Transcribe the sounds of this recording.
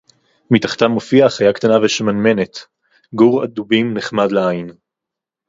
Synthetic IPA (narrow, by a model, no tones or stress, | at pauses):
mitaχt̪anmofiaχajakt̪anaveʃemanme̞net̪ | ɡuʁad̪ubimneχmad̪leain